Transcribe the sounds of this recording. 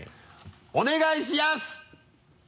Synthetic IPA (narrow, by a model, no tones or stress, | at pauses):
one̞ɡaiɕimasɨ̥